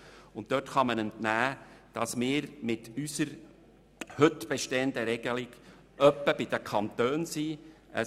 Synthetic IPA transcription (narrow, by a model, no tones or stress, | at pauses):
ʊnttœtχɑmənəntnæːd̥ɑsmɪːɾmɪtysəɾ | hɵtb̥ɛʃtɛənd̪əɾɛɡ̥əlɪɡ | œpːəbɪd̥̪əkʰχɑnt̪øːnsi | ə̰